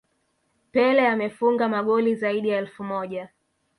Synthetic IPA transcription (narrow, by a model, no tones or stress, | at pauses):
pɛlɛamɛfuŋɡamaɠɔlizaiɗijaɛlfumɔʄa